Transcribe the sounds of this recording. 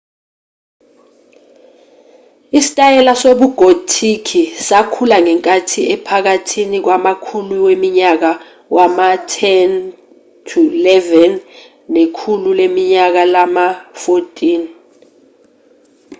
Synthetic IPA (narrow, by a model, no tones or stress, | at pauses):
isi̥tʼajɛlasoɓuɡ̥ʱotʰikʰisakʰulaŋɛŋkʼatʰiɛpʰak̬atʰinik̬wamakʰuliwemiɲak̬a | wʔamatʰɛn | tʰulɛvɛnː | ekʰululemiɲak̬alamafotʼiːn